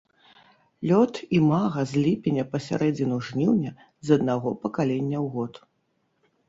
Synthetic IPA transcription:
lʲɔt̪imaɣɐzʲlʲipʲɛnʲɐpɐsʲa̰ɾʔɛd͡zʲinuʐnʲiwnʲɐ | zɐd̪naɣɔpɐkalʲɛnʲːɐwɣɔt̪

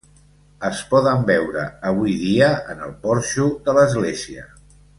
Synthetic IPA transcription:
əspɔðəmbɛwɾə̰əβ̞ujðiəənəlˠpɔɾʃuðələzɣleziə

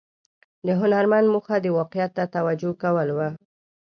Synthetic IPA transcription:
d̪əɦʊnaɾmand̪muxad̪əwɑqɪjat̪ːat̪awad͡ʒokawəlwa

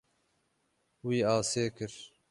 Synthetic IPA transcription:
wiːaːseːkɨɾ

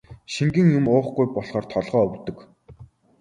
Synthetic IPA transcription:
ʃiŋɡɘ̆ŋjʊmʊːχɡujpɔɮχɔːrt̪ʰɔɮʁɔːɵwt̪ɵ̆k

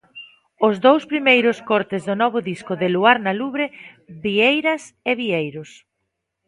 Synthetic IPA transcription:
ʊzðowspɾimejɾʊskɔɾt̪ɪzðʊnɔβʊðiskʊðɪluaɾnaluβɾɪ | βiejɾɐseβiejɾʊs

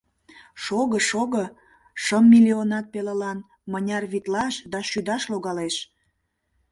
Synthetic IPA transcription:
ʃoɣəʃoɣə | ʃəmːilionɑt̪̚peləlɑn | mənʲɑrβit̪lɑʃd̪ɑʃyd̪ɑʃloɣɑleʃ

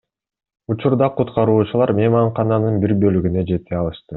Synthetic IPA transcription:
ut͡ʃuɾd̪ɑqʰut̪qɑɾuːt͡ʃulˠɑɾmʲemɑɴqɑnɑnɯnbiɾbø̞lyɡyne̞d͡ʒe̞t̪ʰːeɑlˠɯʃt̪ɯ

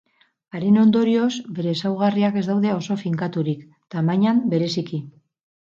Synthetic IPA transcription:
aɾeno̞nd̪o̞ɾio̞zbe̞ɾe̞sawɣ̞ariake̞zd̪awðe̞o̞so̞fiŋkat̪uɾik | t̪amaɲambe̞ɾe̞siki

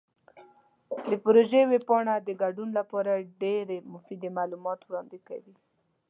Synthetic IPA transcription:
d̪əpɾoʒewepɑɳad̪əɡaɖunlapɑɾaɖeɾemʊfid̪emalumɑt̪wɽɑnd̪eka̰wi

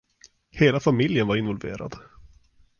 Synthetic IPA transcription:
heːlafamɪljənvaɾɪnvɔlvḛːɾa̰d̪

